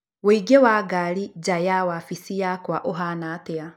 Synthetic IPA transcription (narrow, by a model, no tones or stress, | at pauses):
weiɡewaɡaɾid͡ʒajawafisijakwaʔoɦanaːtea